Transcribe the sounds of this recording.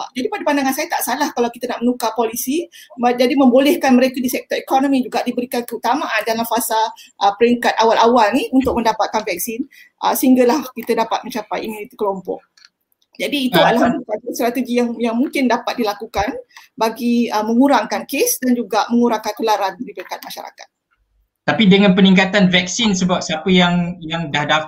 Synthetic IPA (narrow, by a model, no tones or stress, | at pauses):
ad͡ʒadipadapandaŋansajat̪aʔsalahkalawkit̪anaʔmənukapolisimad͡ʒadimə̃mbolɛhkanməɾekadisɛk̚t̪ɔɾikɔnõmĩd͡ʒuɡaʔdibəɾikankəut̪amaʔandalamfasaʔəpəɾiŋkat̪̚awalʔawalniunt̪ʊk̚mə̃ndapat̪̚kanvɛk̚sin | ʔə̰səhiŋɡalahkit̪ədapat̪̚mə̃ɲt͡ʃapajimunit̪ikəlompɔ̰ʔ̚ | d͡ʒadiːt̪ualaɦanst̪aist̪ɾat̪əɡijaŋjaŋmuŋkɪndapat̪̚dilakukanbaɡiəmə̃ŋuɾaŋkankesdand͡ʒuɡamə̃ŋuɾaŋkankəlaɾandipəɾikat̪̚maʃaɾa̰ka̰t̪̚ | t̪apidəŋãnpənĩŋkat̪anvɛk̚sinsəbap̚siapəjaŋjaŋdahdaf